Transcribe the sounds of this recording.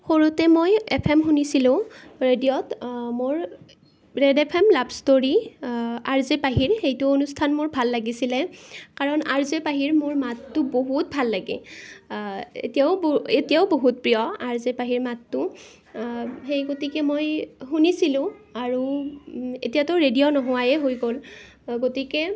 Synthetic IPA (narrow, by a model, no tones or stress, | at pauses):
xoɹutɛmojepʰɛmxunisilʊ̃ɹedijɔtmoɹ | ɹedepʰemlabstoɹi | aɹzepaɦiɹxejtʊonustʰanmʊɹbʱalːaɡisilɛkaɹɔnaɹzepaɦiɹmʊɹmatːʊboɦut̚bʱalːaɡɛ̰ | ḛtijaʊbetijaʊboɦut̚pɹijɔaɹzɛpaɦiɹmatːʊ | xejɡotikɛmojxunisilʊ̃aɹu | etijatɔɹedijɔnɔɦʊwajɛɦojɡol | ɡotikɛ